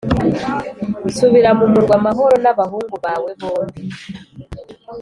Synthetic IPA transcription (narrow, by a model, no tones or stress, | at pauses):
usuβiɾaβumuɾɡwaːmaɦo̞ɾo̞naβaɦuːŋɡuβawe̞βoːmbi